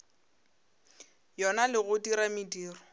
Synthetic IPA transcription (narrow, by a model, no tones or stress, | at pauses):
jɔnalɪɣʊdiɾamidiːrɔ